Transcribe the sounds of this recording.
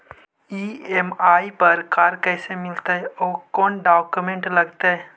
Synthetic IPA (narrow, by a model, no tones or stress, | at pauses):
iːemaːipɐɾkaːɾkɛːsemɪlt̪eɦɛɔːkɔːnɖaːkumẽɳʈlɐɡt̪eɦɛ